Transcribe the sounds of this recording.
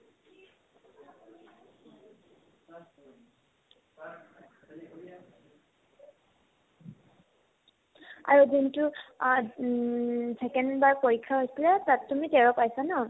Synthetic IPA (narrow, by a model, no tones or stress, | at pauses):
a̰ɹuzintu | sɛkɛndbaɹpoɹikʰːaɦojsilɛtattːumitɛɹɔpajsanɔ